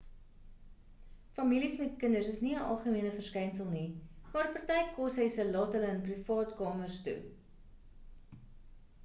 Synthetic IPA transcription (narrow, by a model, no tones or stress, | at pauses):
fɐmilismɛtkəndərsəsniəʔɐ̰lˠχəmiənəfərskɛjnsəlˠnimɑːrpɑrtɛjkɔsɦəjsəlɑːtɦələənprifɑːtkɑːmərstṵ